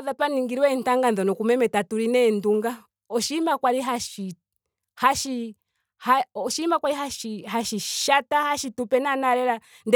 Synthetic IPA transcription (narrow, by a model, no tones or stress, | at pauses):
ðapaniŋɡiɾwɛn̩taŋɡanðɔnɔkumɛmɛtatuɾinɛnduŋɡa | ɔʃimakwaɾiɦaʃi | haʃi | haɔʃimakwaɾiɦaʃiɦaʃiʃatahaʃitupɛnanaɾɛɾa | nd